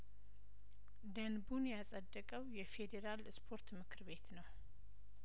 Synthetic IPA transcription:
d̪ənbunjasʼəd̪ːəkʼəwjɛfe̞d̪eɾalspʰo̞ɾt̪mɨkʰɨɾbe̞t̪nəw

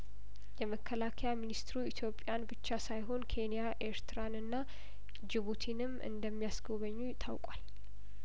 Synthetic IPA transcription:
jɛməkʰːəlakʰəjaminist̪ɾuit̪ʰjo̞pʼːjanbɨt͡ʃːasajɦo̞nkʰe̞nijaʔe̞ɾt̪ʰɨɾanɨnːa | d͡ʒɪβut̪ʰinɨmʔɨ̰nd̪əmːijasɡo̞βəɲːujɪt̪ʰawkʼwal

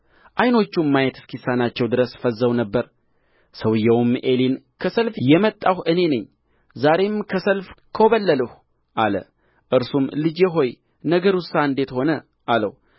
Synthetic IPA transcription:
ʔajno̞t͡ʃːumːajɛt̪ɨ̥skʰisːanat͡ʃːɛwd̪ɨɾəsfəzːəwnəbːəɾ | səwɨjːɛwme̞linkʰəsəlfjɛmət̪ʼːahʔɨne̞nɨɲː | zaɾe̞mkʰəsəlfkʰəβəlːələh | ʔalə̰ | ʔɨɾsumlɨd͡ʒjɛɦo̞j | nəɡəɾusaɨnd̪e̞t̪ho̞nə | ʔalə̰w

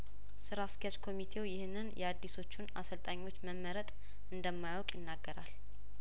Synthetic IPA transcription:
sɨɾaskʰɛjat͡ʃʼkʰo̞mit̪ʰe̞wjɪhnːɨnjɛad̪ːiso̞t͡ʃːuna̰səlt̪ʼaɲːo̞t͡ʃːməmːəɾət̪ʼ | ʔɨnd̪əmːajwɔkʼjɪnːaɡːəɾal

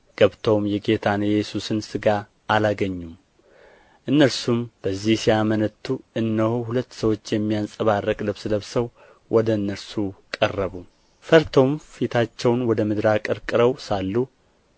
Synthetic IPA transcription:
ɡ̥əβt̪ʰo̞mjɛɡe̞t̪ʰanjjɛsusɨnsɨɡa | ʔːlaɡəɲːum | ʔɨnːəɾsumb̥əzːihsijamənət̪ʰːuɨnːəhohulət̪ːsəwo̞t͡ʃːjɛmːijansʼəβarːəkʼləβsɨləβsəw | wʔɔd̪əɨnːəɾsukʼərːəβu | fəɾt̪ʰo̞mfit̪ʰat͡ʃːɛwnwɔd̪əmɨd̪ɾakʼɨɾkʼɨɾəwsalːu

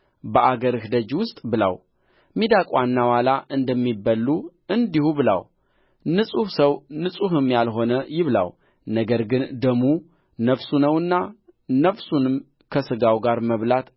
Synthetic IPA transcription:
bəʔaɡəɾɨhd̪əd͡ʒwʊst̪ʼbɨla̰w | mid̪akʼwanːawalaʔɨnd̪əmːibːəlːu | ɨnd̪ihubɨla̰w | nɨsʼuhsəwnɨsʼuhɨmjalɦo̞nəjɪβla̰w | nəɡəɾɡɨnd̪əmu | nəfsunəwɨnːa | nəfsunɨm | kʰəsɨɡawɡaɾməβlat̪

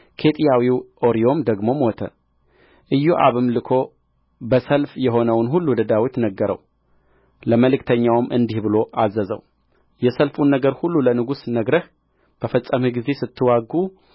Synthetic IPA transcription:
kʰe̞t̪ʼijawiwʔoɾio̞md̪əɡmo̞mot̪ʰə̰ | ʔɨjːoʔa̰βɨmlɨkʰo̞ | bəsəlfjɛɦo̞nəwnɦulːud̪əd̪awit̪nəɡːəɾə̰w | ləməlɨkt̪ʰəɲːawmʔɨnd̪ihbɨlo̞ʔazːəzə̰w | jɛsəlfunːəɡəɾhulːulənɨɡusnəɡɾəh | b̥əfəsʼːəmiɡize̞sɨt̪ːɨwaɡːu

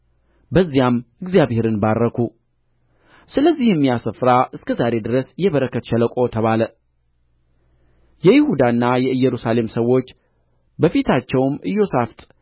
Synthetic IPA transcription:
bəzːijamɨɡzijaβhe̞ɾɨnbarːəkʰu | sɨləzːihjɛmːijasəfɾaʔɨskʰəzaɾe̞d̪ɨɾəsjɛβəɾəkːət̪ʃɛləkʷʼo̞t̪ʰəβalə | jɛjɪhud̪anːajɛɨjːɛɾusale̞msəwːo̞t͡ʃː | bəfit̪ʰat͡ʃːɛwmɨjːo̞saft̪ʼ

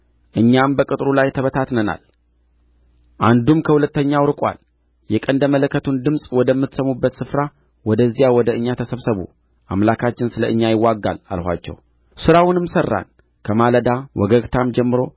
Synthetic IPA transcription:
ʔɨɲːambəkʼɨt̪ʼɾulajt̪ʰəβət̪ʰat̪nəna̰l | ʔand̪umkʰəhulət̪ːəɲːawɾɨkʼwa̰l | jɛkʼənd̪əmələkːət̪ʰund̪ɨmsʼwɔd̪əmːɨt̪səmubːət̪sɨfɾa | wɔd̪əzːijawɔd̪əɨɲːat̪ʰəsəβsəβṵ | ʔamlakʰat͡ʃːɪnsɨləʔɨɲːajɪwːaɡːa̰la̰lhʷa̰t͡ʃːɛ̰w | sɨɾawʊnɨmsərːa̰n | kʰəmaləd̪awʔɔɡəɡt̪ʰamd͡ʒɛmːɨɾo̞

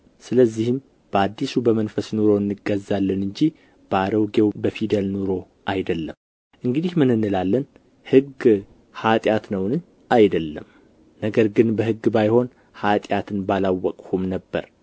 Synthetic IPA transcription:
sɨləzːihɨm | b̥əad̪ːisubəmənfəsnuɾo̞ɨnːɨɡːəzːalːɨnɨɲd͡ʒi | b̥əaɾəwɡe̞wbəfid̪əlnuɾo̞ | ʔajd̪əlːəm | ʔɨŋɡɨd̪ihmɨnːɨnːɨlalːən | hɨɡ | hat̪ʼjat̪nəwnɨɲ | ajd̪əlːəm | nəɡəɾɡɨnbəhɨɡːbajho̞n | hat̪ʼjat̪ʰɨnbalawːəkʼhumnəbːə̰ɾ

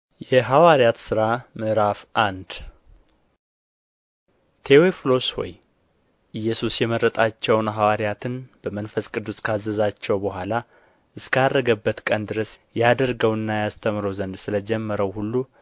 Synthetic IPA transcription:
jɛɦawaɾjat̪sɨɾamɨʔɾafʔand̪ | t̪ʰeweflo̞shɔ̰j | ʔɨjːɛsusjɛməɾːət̪ʼat͡ʃːɛwnɦawaɾijat̪ʰɨnb̥əmənfəskʼɨd̪ːuskʰazːəzat͡ʃːɛwbəɦʷala | ʔɨskʰad̪ːəɡəbːət̪kʼənd̪ɨɾəsjad̪əɾɡəwɨnːajast̪ʰəmɾəwzənd̪sɨləd͡ʒɛmːəɾəwhulːu

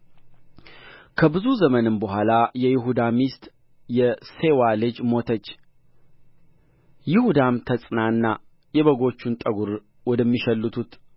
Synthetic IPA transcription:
kʰəbɨzuzəmənɨmbəɦʷalajɛjɪɦud̪amist̪ʼ | jɛse̞walɨd͡ʒmo̞t̪ʰət͡ʃː | jɪhud̪amt̪ʰəsʼnaɨnːa | jɛβəɡo̞t͡ʃːunt̪ʼəɡuɾ | wɔd̪əmːiʃɛlːɨt̪ʰut̪

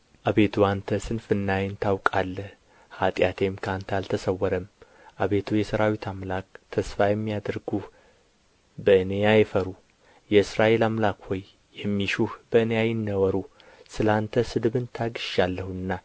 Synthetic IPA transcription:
ʔaβe̞t̪ʰuant̪ʰəsɨnfɨnːajɪnt̪ʰawkʼalːəh | hat̪ʼjat̪ʰe̞mkʰəant̪ʰəalt̪ʰəsəwːɔɾəm | ʔaβe̞t̪ʰujɛsəɾawit̪ʰamlakt̪ʰəsfajɛmːijad̪ɾɡuh | bəɨnejajɛfəɾu | jɛɨsɾaʔe̞lamlakhojː | ɛmːiʃuhbəɨnejajɪnːəwəɾu | sɨlant̪ʰəsɨd̪ɨβɨnt̪ʰaɡɨʃalːəhuɨnːa

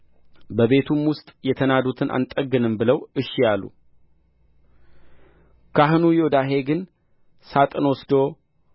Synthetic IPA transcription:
bəβe̞t̪ʰumwʊst̪ʼjɛt̪ʰənad̪ut̪ʰɨnʔa̰nt̪ʼəɡɨnɨmbɨləwɨʃːijalːṵ | kʰaɦɨnujod̪aɦe̞ɡɨn | sat̪ʼɨnwɔsd̪o̞

